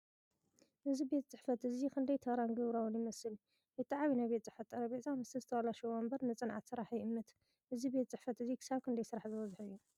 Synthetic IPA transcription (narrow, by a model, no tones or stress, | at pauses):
ʔɨzibe̞t̪̚t͡sʼɨħfɐt̪ɨzikʰɨnd̪ɐjt̪ʰɐɾanɡɨβɾawunjɪmɐsɨl | ɨt̪ʰʼːɨʕaβinajbe̞t̪ʼt͡sʼɨħfɐt̪ːʼɐɾɐbet̪t͡sʼamɨst̪ʰɨzɨt̪ʰɐwalaʃobɐmbɐɾnɨt͡sʼɨnʕat̪sɨɾaħjɪʔɨmːɐt̪ | ʔɨzibe̞t̪̚t͡sʼɨħfɐt̪ɨzikʰɨ̥saβkʰɨnd̪ɐjsɨɾaħzɨwɐzħɨjːu